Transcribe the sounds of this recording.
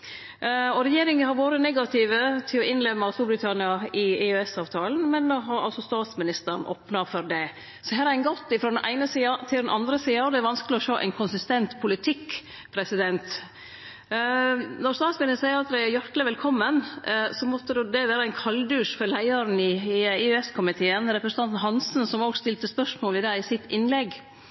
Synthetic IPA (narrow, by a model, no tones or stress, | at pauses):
ɔɾɛjeːɾɪŋənhɑɾʋoːɾənɛɡɑt̪ʰɪʋət̪ʰɪlɔʔɪnlɛmːɑst̪uːɾbɾɪt̪ʰɑnɪɑɪɛøɛsɑːʋt̪ʰɑːln̩mɛnːoɦɑɾʔɑ̰lsɔst̪ɑːt̪smɪnɪst̪əɾɳʔo̰ːpnɑfɔɾd̪ɛ | sɔɦæːɾæɪnɡɔt̪ːɪfɾɔd̪ɛnʔæ̰ɪnəsiːɑt̪ʰɪld̪ɛnʔɑnd̪ɾəsiːɑd̪ɛæɾʋɑnskəlɪɔʂoːʔæ̰ɪnkʰʊnsɪst̪ɛnt̪pʰʊlɪt̪ʰɪkː | pʰɾɛsɪd̪ɛnt̪ | nɔɾst̪ɑːt̪smɪnɪst̪æɪɾɑt̪ɾææɾjæʈ̪lɪʋɛlkʰɔmːənsɔmɔt̪ːəd̪ʉd̪ɛʋæːɾəæɪnkʰɑld̪ʉːʂfɔɾlæɪɑɾn̩ɪɪɛskʰʊmɪt̪ʰeːənɾɛpɾəsənt̪ɑnt̪n̩ɦɑnsn̩sɔmoːɡst̪ɪlt̪əspœʂmoːlɪd̪æɪɪsɪt̪ːɪnlɛɡ